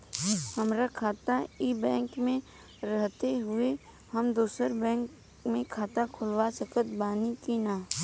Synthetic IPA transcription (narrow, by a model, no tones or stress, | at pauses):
hɐmɾakʰaːt̪aibɛ̃ːŋkmẽ | ɾəɦt̪eɦʊe | ɦəmd̪uːsəɾbɛ̃ːk | mẽkʰaːt̪akʰʊlwasəkət̪baːnikinaː